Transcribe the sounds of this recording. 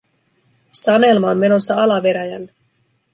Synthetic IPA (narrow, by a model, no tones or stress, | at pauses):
sɑne̞lmɑonme̞no̞sːɑɑlɑʋe̞ɾæjælːe